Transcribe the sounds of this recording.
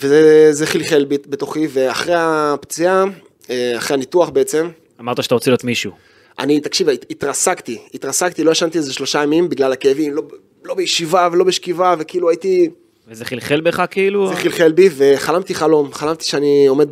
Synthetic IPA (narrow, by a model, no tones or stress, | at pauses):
vezezeχilχe̞lbbet̪o̞χive̞aχʁejapt͡sia | eaχʁeanit̪uaχbeet͡se̞m | amaʁt̪aʃeat̪aʁot͡seliot̪miʃu | ʔa̰nit̪akʃivaːt̪ʁasakt̪iit̪ʁasakt̪ilojaʃant̪iezeʃlo̞ʃajamimbiɡlalakejavimlo | lo̞bejeʃivavelo̞beʃkivavekiiluajit̪i | vezeχilχelbeχakiiluzeχilχelbive̞χalamt̪iχalo̞mχalamt̪i̥ʃeanio̞med̪̚